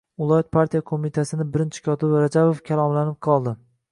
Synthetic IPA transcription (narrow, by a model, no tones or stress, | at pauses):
ʊlˠɒjɒt̪̚pʰaɾt̪ʰijakʰomit̪ʰasɪnɪbɪɾɪnt͡ʃʰɪ̥kʲʰɒt̪ʰɪbɾad͡ʒabofkʲʰalˠɒmlanɪp̚qʰɒlˠd̪ɪ